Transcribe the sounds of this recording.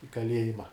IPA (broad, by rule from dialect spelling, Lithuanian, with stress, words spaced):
ɪ kɐˈlʲiɛjɪmɐ